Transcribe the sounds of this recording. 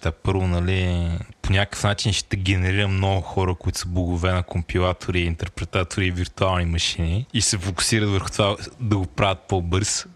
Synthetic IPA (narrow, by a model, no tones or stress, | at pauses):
t̪apɤɾvonɐliponʲakə̥fnat͡ʃinʃɛ̥t̪ɛɡʲɛnɛɾiɾəmnɔɡʊxɔɾəkʊit̪ʊ̥səblˠoɡʊvɛnɐkompʲilˠat̪ʰoɾiːnt̪ɛɾpɾɛt̪at̪oɾiviɾt̪ualˠnimɐʃiniːsɛfokʊ̥siɾɐt̪vəɾxʊ̥t̪ovad̪ɐɡopɾavət̪̚pɔbɤɾs